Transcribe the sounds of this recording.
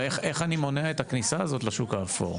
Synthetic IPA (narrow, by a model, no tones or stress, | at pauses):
eχe̞χanimo̞neaet̪aknisaːzo̞t̪laʃukaːfo̰ʁ